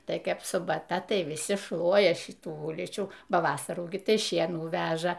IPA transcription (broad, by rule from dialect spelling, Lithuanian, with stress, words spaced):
ˈtɐɪ ˈkɐɪp sʊbɐˈtɐ ˈtɐɪ ʋʲɪˈsʲɪ ˈʃlˠuɔjɛ ˈʃʲɪtuː ˈʊlʲiːt͡ʃʲuː ˈbɐ ˈʋɑːsɐruː ɡʲɪ ˈtɐɪ ˈʃʲiɛnuː ˈʋʲæːʒɐ